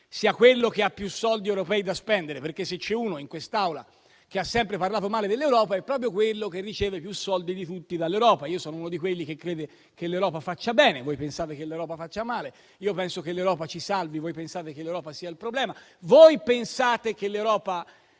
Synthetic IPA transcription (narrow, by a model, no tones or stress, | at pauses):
siːakwelːok̟eapːjusːɔld̪iɛwɾopɛːid̪aspɛnd̪eɾeperkːesːet͡ʃːɛuːnoiŋkwest̪awla̰ | keasːɛmpɾeparlaːt̪omaːled̪elːewɾɔːpaɛpːɾɔːp̬ɾjokwelːokerːit͡ʃeːvepjusːɔld̪id̪it̪ut̪ːid̪alːewɾɔːpaiːosɔːnounod̪ikwelːik̟ekːɾeːd̪e | k̟elːewɾɔːpafat͡ʃːabɛːnevojpensaːt̪ekelːewɾɔːpafat͡ʃːamaːle | iopɛnsokelːewɾɔːpat͡ʃisalvivojpensaːt̪ekelːewɾɔːpasiːailpɾoblɛːmavojpensaːt̪ek̟elːewɾɔːpa